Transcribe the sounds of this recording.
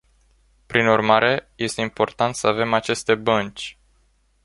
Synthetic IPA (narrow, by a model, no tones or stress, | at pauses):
pɾinurmaɾe̞je̞st̪e̞impo̞rt̪ant̪səave̞mat͡ʃe̞st̪e̞bənt͡ʃʲ